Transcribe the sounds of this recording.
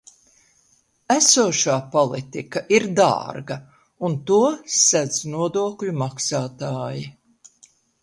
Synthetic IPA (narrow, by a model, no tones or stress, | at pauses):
æsuɔʃaːpɔlˠit̪ikaʔiɾd̪a̰ːɾɡɐ | unt̪uɔsæd̪z̥nuɔd̪uɔklʲumaksaːt̪aːji